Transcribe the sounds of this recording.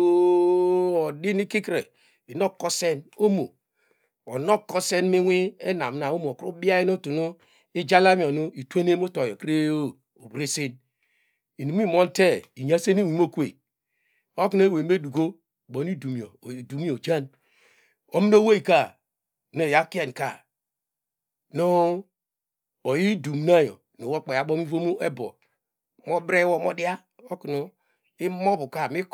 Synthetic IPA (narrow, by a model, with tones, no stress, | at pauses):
o˦ | o˨di˦ni˦ki˦kɾe˨ | i˨no˦kːo˦se˦no˦mo˨ | o˨no˦kɔ˦se˦nmi˦wʷi˦e˦na˨m˦na˨o˦m˨o˨kɾu˦bi˦a˦i˦no˦tu˨nu˦ | i˦d͡ʒa˦la˦mi˨o˨nu˦i˨tʷe˦ne˦m˦o˦to˨jo˨kɾe˦o˦ | o˨bɾe˦se˦n | i˨nu˨m˦i˦mo˦n˦te˦i˨ɲa˦se˦ni˦˨wi˨m˦o˦kʷḛ˨ | o˦ku˦n˦e˦we˨˦e˦du˨ɡo˦˨ | bo˨n˦i˦du˨mi˨o˨du˨mi˦o˨d͡ʒa˦n | o˦mi˦no˦we˦i˨ka˦˨ | no˨ja˦ki˦e˨n˨ka˨ | no˦ | o˨ji˦du˨m˦na˦jo̰˨ | no˨wo˦k͡pa˨ja˨˦ɓo˦mi˦vo˦mu˦ʔe˦bo̰˨ | mo˦bɾe˦wo˦mo˦di˦a˦ | o˦ku˨no˨ | i˦mo˦bu˨ka˨mi˦k